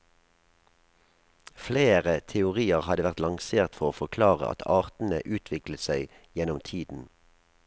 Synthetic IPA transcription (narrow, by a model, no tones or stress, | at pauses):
fleːʁət̪ʰɛʊʁiːəʁhɑd̪əʋæʁt̪lɑŋseːʁt̪fɔʁoːfɔkʰlɑːʁə̰ʔɑ̰t̪ʰɑːʁt̪n̩ə̰ʔʉːt̪ʰʋɪkləsæɪ | jɛnʊmt̪ʰiːd̪n̩